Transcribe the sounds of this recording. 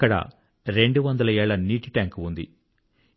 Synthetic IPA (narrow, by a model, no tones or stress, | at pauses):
kːɐɽɐ̰ | ɾe̞ɳɖuʋɐnd̪ɐlɐɛːɭɐniːʈiʈaːŋkund̪i